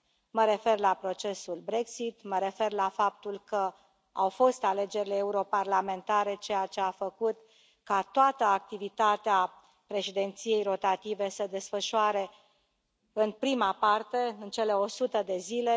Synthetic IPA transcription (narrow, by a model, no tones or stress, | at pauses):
məɾe̞fe̞rlapɾo̞t͡ʃe̞sulbɾe̞ksit̪məɾe̞fe̞rlafap̚t̪ulkə | a̰wfo̞st̪ale̞d͡ʒe̞ɾileːuɾo̞parlame̞nt̪aɾe̞t͡ʃe̞jat͡ʃe̞afəkut̪ | kat̪oat̪əak̚t̪ivit̪at̪ea | pɾe̞ʃid̪e̞nt̪sije̞jro̞t̪at̪ive̞səd̪e̞sfəʃuaɾe̞ | ɨnpɾimapart̪e̞ɨnt͡ʃe̞le̞o̞sut̪əd̪e̞zile̞